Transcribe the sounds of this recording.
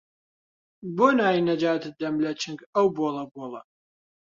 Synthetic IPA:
boːnaːjinɐd͡ʒaːt̪ɨd̪ɐmlɐt͡ʃʰɨŋɡɐwboːlˠɐboːlˠɐ̰

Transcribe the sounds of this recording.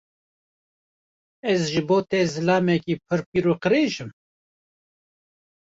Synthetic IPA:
ɛzʒɨboːt̪ɛzɨlɑːmɛkiːpʰɨɾpiːɾuqɨɾeːʒɨm

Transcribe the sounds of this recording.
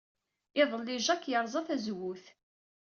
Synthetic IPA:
ɪðˤəlːɪʒækːjəɾˤzˤɑθæzwʊθ

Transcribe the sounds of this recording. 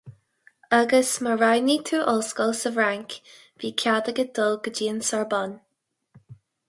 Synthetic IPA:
əɡəsməɹajnit̪ʰuːʔɔlskɔlsəvɹaŋk | viːkʰad̪əɡəd̪̥ɔlɡəd͡ʒiːənsɔɹbɔn

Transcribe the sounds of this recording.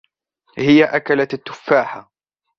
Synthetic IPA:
hɪjaʔakalat̪at̪ːʊ̥fːaːħa

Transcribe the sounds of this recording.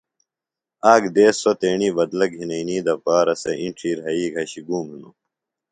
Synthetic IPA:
aːɡd̪eːsot̪eːɳiːbɐd̪lɐɡɦinɐiniːd̪ɐpaːɾɐsɐ̰ʔiɳʈ͡ʂʰiːɾɦɐiːɡʱɐɕiɡuːminu

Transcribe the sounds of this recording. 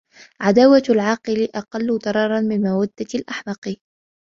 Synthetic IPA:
ʕad̪aːwalʕɑːqɨlɪʔɑqɑlːʊt̪ˤɑɾˤɑːɾˤɑnmɪnmawad̪ːalʔaħmɑqɨ

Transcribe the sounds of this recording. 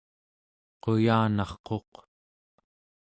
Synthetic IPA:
qo̞jaːnɑχqo̞q

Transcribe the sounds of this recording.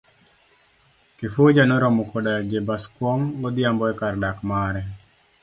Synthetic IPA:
kɪfod͡ʒanɔɾɔmɔkɔdad͡ʒebaskwɔŋɡɔd̪jambɔɛkardakmaɾɛ

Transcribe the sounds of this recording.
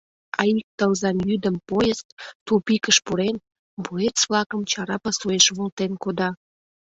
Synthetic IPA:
ɑik̚t̪əlzɑnjyd̪əmpojəst̪̚t̪upikəʃpuɾen | buet͡sβlɑkəmt͡ɕɑɾɑpɑsueʃβult̪enkod̪ɑ

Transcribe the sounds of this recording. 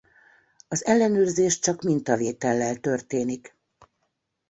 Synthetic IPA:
ɒzɛlːɛnøːrzeːʃt͡ʃɒkmint̪ɒveːt̪ɛlːɛlt̪ørt̪eːnik

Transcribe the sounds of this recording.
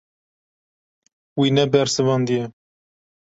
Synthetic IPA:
winɛbɛɾsɨvɑnd̪ijɛ

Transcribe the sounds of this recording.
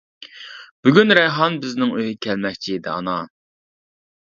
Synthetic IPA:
b̥yɡʲynɾɛjɦɑnbɪznɪŋøɦɪkʲʰɛlmɛk̚ʲt͡ʃʰiːd̪ɪ̰ɑ̰nɑ

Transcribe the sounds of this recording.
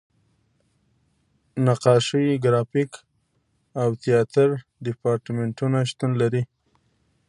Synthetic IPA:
naqɑʃiɡɾɑfik | awt̪ijɑt̪aɾɖɪpɑɾʈmeɳʈunaʃt̪unlaɾi

